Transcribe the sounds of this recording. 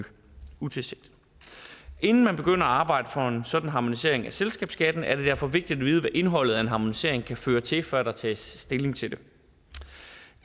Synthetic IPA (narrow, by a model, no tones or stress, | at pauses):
ut͡sʰe̝se̝ɡ̥d̥ | e̝nn̩mænb̥e̝ɡ̥øn̰ɐɒɑ̈ːb̥ɑ̈ɪ̰d̥əfɒ̽e̝nsɒ̽d̥n̩ɦɑ̈mo̝nise̝̰ɐ̰e̝ŋæselsɡ̥ɛ̰ːb̥sɡ̥æd̥n̩æɐɾ̥e̝dæɐ̰fɒ̽ʋe̝ɡ̥̚d̥id̥æʋiːð̞ˠəʋæʔe̝nɦɒ̽l̰ð̞̩ˠæe̝nɦɑ̈mo̝nise̝̰ɐ̰e̝ŋkʰæføːɐt͡sʰe̝fɶɐ̰æd̥ɑt͡sʰɛ̰ːsːd̥e̝le̝ŋt͡sʰe̝ld̥e̝